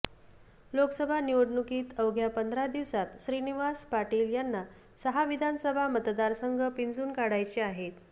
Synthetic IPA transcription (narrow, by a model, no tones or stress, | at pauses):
loksəbʱaniʋəɽnukiːt̪əwɡʱjapənd̪ʱɾad̪iʋsat̪ɕɾiniʋaspaʈiːljanːa | səɦaʋid̪ʱansəbʱamət̪d̪aɾsəŋɡʱəpind͡zuːnkaɽajt͡ɕiaɦet̪